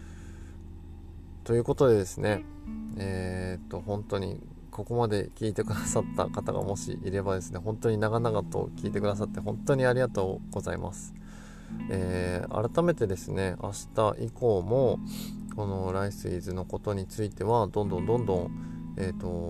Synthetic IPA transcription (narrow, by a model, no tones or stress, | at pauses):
t̪o̞jɯ̟ːko̞t̪o̞d̪e̞d̪e̞sɨne̞ | eːt̪ːo̞hõ̞nt̪o̞ɲ̟ḭ | ko̞ko̞mad̪e̞kʲiːt̪e̞kɯ̟d̪asat̪ːa̰kat̪aɡa̰mo̞ɕḭʔiɾe̞bad̪e̞sɨne̞ɦõ̞nt̪o̞ɲ̟inaɡanaɡat̪o̞̰kʲiːt̪e̞kɯ̟d̪as̬at̪ːe̞ɦõ̞nt̪o̞ɲ̟iaɾʲiɡat̪o̞ːɡ̥o̞zaḭmʔa̰sɨ̥ | eːa̰ɾat̪ame̞t̪e̞d̪e̞sɨne̞a̰ɕi̥t̪aʔiko̞ːmo̞ko̞no̞ɾaisɨizɨno̞ko̞t̪o̞ɲ̟it͡sɨit̪e̞βad̪õnd̪õ̞nd̪õ̞nd̪õ̞ŋeːt̪ːo̞